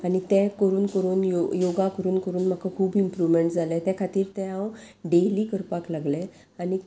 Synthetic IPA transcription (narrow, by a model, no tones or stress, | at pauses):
aɽit̪ɛ̃kəɾuːnkəɾuːnjojoɡakəɾuːnkəɾuːnm̤akakʰuːbimpɾuʋmeɳʈd͡zʱalɛt̪ɛkʰat̪iːɾt̪ɛ̃ãwɖeliːkəɾpaklaɡlɛ | añi